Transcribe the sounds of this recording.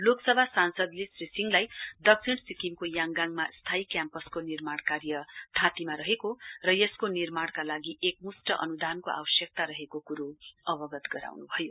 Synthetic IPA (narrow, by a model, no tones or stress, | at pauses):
loksʌbʱasansʌd̪lesrisiŋlajd̪ʌk̚sʰiɽsikimkojaŋɡaŋmast̪ʰaikjampʌskonirmaɽ̃karjʌt̪ʰãt̪imaɾʌɦekorʌjʌskonirmaɽ̃kalaɡiʔekmusʈʌʔʌ̰nud̪ʱankoʔa̰wʌsjʌk̚t̪aɾʌɦekokuɾuʌbʌɡʌt̪ɡʌɾa̰wnubʱʌjo